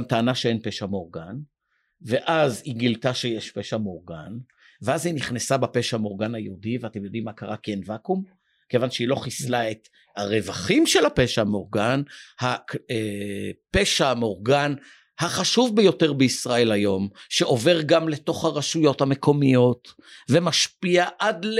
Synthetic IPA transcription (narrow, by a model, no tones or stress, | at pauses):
amtaːnaʃeenpe̞ʃamo̞ʁɡan | ve̞ʔaziɡiltaʃejeʃpeʃamoʁɡa̰n | veaziniχnesabape̞ʃamo̞ʁɡanajeudiveatemjo̞d̪imːakaʁakienvakum | ke̞vanʃeilo̞χislae̞t | aʁe̞vaχimʃelhape̞ʃamo̞ʁɡanhaepeʃamo̞ʁɡan | haχaʃuvbejo̞te̞ʁbeisʁae̞lajo̞mʃeʔo̞ve̞ʁɡamle̞to̞χhaʁaʃujo̞thame̞kʰo̞mijo̞t | ve̞maʃpiaʔadl